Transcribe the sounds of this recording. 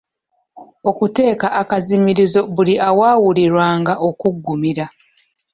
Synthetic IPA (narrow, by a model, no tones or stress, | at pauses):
o̞kute̞ːkaʔːkazimiɾizo̞βuliʔawaːwuliɾwaːŋɡaʔo̞kuɡːumiɾa